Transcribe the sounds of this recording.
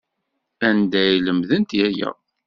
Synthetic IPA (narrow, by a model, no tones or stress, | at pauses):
ænd̪æjləmðənt̪jæjæ̰